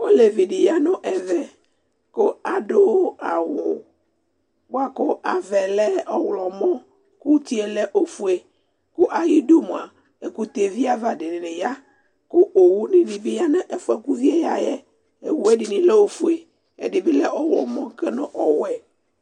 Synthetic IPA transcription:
wo˦le˨vi˨ɖi˨ja˦nɔ̃˦ʔɛ˨vɛ˨ | ko˦a˨ɖo˦a˨wʊ˨ | bo˦a˦ko˦a˨vɛ˨lɛ˦ɔ˦wlɔ˨mɔ̃˦ | ku˦t̪i˦e˨lɛ˦ʔo˦fu˦e˨ | ko˦ʔa˨ji˦do˦mũ˨a˨ | e˨ku˦t̪e˨vi˦a˦va˦˨ɖɪ˨nɪ̃˨ne˨ja˦ | ko˦ʔo˨wu˦nĩ˦ɖi˨bi˦ja˦nɛ̃˦ʔe˦fu˦a˨ku˦vi˦e˦ja˨jɛ˦ | e˨wu˨e˦ɖɪ˨nĩ˦lɛ˦o˦fu˦e˨ | ḛ˨ɖɪ˨bi˦lɛ˦ɔ˦wlɔ̰˨mɔ̃˦kɛ˦nɔ̃˦ʔɔ˨wɛ˦˨

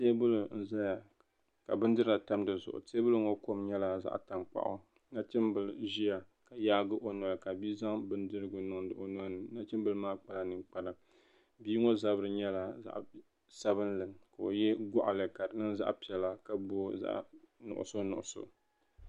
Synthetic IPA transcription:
te˦bʊ˦lʊ˨n̩˨za˦ja˨ | ka̰˨bɨ˦n˦dɨ˦ɾɨ˦la˨ta˦mdɨ˨zʊ̰˨ʔʊ̰˨te˦bʊ˦lɨ˦ŋo˦ko˦mɲɛ˦la˨za̰˦ʔta˨mk͡pa̰˨ʔʊ̰˨˦ | na˦t͡ʃɪ˦mbɨ˨lʒi˦ja˨ | ka˨jaː˦ɡɨ˦ʔo˨nɔ˨ɾka˨biː˦za˦ŋbɨ˦n˦dɨ˦ɾɨ˦ɡʊ˨nʊ˨ŋdɨ˨ʔo˨nɔ˦nɨ˨na˦t͡ʃɪ˦mbɨ˦lɨ˦maː˦k͡pa˨la˨nɨ˨ŋk͡pa˨la˨ | biː˦ŋo˦za˦bɨ˦ɾɨ˨ɲɛ˦la˨za̰˦ʔ | sa˦βɨ˦n˦lɨ˨ŋka˨o̰˨jɛ˦ɡɔ˦ʔa˨lɨ˨ka˨ɾɨ˨nɨ˦nza̰˦ʔpi˨ɛ˨la˦ka˨bo˦za̰˦ʔnʊ̰˨ʔʊ̰˨so˦nʊ˨ʔʊ˨so̰˨

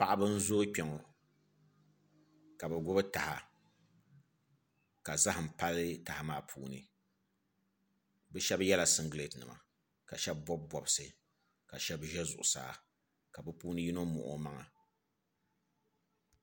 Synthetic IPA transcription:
pa˦˨ʔa˦bɨ˦n̩˦zoː˦k͡pʲɛ˨ŋɔ˨ | ka˨bɛ˨ɡʷʊ˦bɨ˦ta˨ha˨ | ka˨za˦hm̩˨pa˦lɨ˦ta˨ha˨maː˦pʰuː˦nɨ̰˨ | bɛ˦ʃɛ˦bjɛ˦la˨sɨ˦ŋɡle˨tnɨ̰˨ma̰˨ | ka˨ʃɛ˦b̚ːɔ˦b̚bɔ˨bɨ˨sɨ˨ | ka˨ʃɛ˦bʒɛ˦zʊ̰˨ʔʊ̰˨sa̰ː˨ | ka˨bɨ˦puː˦nɨ˦ji˦no˦mʊ̰˨ʔʊ̰˨ma˦ŋa̰˨

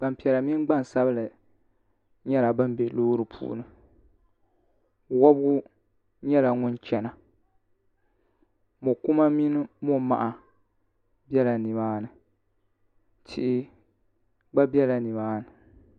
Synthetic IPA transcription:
ba˨m˨pi˨ɛ˨la˨mi˦n˦ɡ͡ba˦˨n˨sa˦bɨ˦lɨ˨ | ɲɛ˦la˨bɨ˦m˦be˨loː˦ɾɨ˨pʰṵː˦nɨ˦˨ | wɔ˦bɡʊ˦ | ɲɛ˦la˨ŋʊ˦n˦t͡ʃɛ˨na˨ | mo˨ku˦ma˦mi˦nɨ˦mo˦ma̰˨ʔa˨ | bɛ˦la˨nɨ˨baː˦nɨ˨ | tʰɪ̰˦ʔɪ˦ | ɡ͡ba˦bjɛ˦la˨nɨ˨baː˦nɨ˨

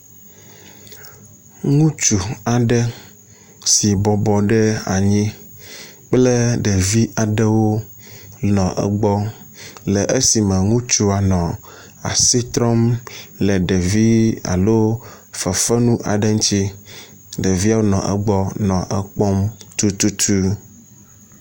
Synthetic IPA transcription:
ŋũ˦t͡ʃu˨a˨ɖɛ˦ | si˨bɔ˨bɔ˨ɖɛ˦a̰˨ɲĩ˦ | k͡plɛ˦ɖɛ˨vi˦ʔa˨ɖɛ˦wo˦ | nɔ̃˨ʔɛ̰˦˨ɡ͡bɔ˦ | lɛ˨ʔe˦si˨mɛ˨ŋũ˦t͡ʃu˦a˨nɔ̃˨ | a̰˨si˦t̪ɾɔ˦mlɛ˨ɖɛ˨vi˦a̰˨lo˦ | fɛ˨fɛ˦nũ˦ʔa̰˨ɖɛ˦ŋ˦t͡ʃi˦ | ɖe˨vi˦a˦wo˦nɔ̰̃˨ʔɛ̰˦ɡ͡bɔ˦nɔ̃˨ʔɛ˦k͡pɔ˦mt̪u˦t̪u˦t̪ʰu˦

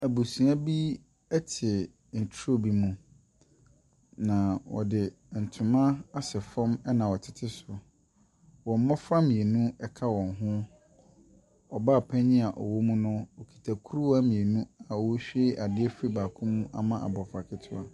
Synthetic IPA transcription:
æ˨bu˨sũ˨a˦bi˦ | ɛ˦tʰɪ˨ | n̩˨tʰo˦˨bi˦mũ˨ | nã˨wɔ̰˨dɪ˨ | n̩˨tʰʊ̃˨mã˦a˦sɛ˨fɔ̃˦mɛ˦nã˨wɔ˨tʰɪ̥˦tʰɪ˦sʊ˨ | wɔ̃˨m̩˦mɔ̃˦fɾa˦mĩ˨e˨nũ˦ɛ˨kʰa˦wɔ̃˨nɦʊ̃˦ | ɔ˨ba˦˨pʰɛ̃˦ɲɪ̃˦a˨ʔɔ̰˨wo˦mũ˦nʊ̃˦ɔ˨kʰi̥˨tʰa˨kʰu˦ɾu˦a˦mĩ˨e˨nũ˦a˨ɔ˨wo˦ɕᶣe˦ʔa˨dɪ˦ɛ˦fi˦baː˨kʰʊ̃˦mũ˦ʔa̰˨mã˦ʔa̰˨bɔ˨fa˨kʰɪ˦tʰʊ˦a˦˨

